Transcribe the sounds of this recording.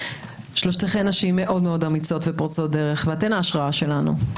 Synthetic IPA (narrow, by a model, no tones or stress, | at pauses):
ʃloʃt̪eχenaʃimːe̞ʔo̞dmeo̞damit͡so̞tvepaʁt͡sot̚deʁeχveatenaːʃʁaaʃe̞lanṵ